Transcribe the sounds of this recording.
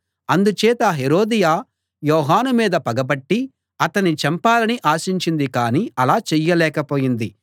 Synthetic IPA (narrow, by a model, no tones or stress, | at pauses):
ɐnd̪ut͡ʃɛːt̪ɐɦeɾoːd̪ijaː | jɔːɦaːnumiːd̪ɐpɐɡɐbɐʈːi | ɐt̪ɐnit͡ʃɐmpaːlɐniʔaːʃiɲt͡ʃind̪ikaːniɐlaːt͡ʃɛjːɐlɛːkɐpo̞ːjind̪i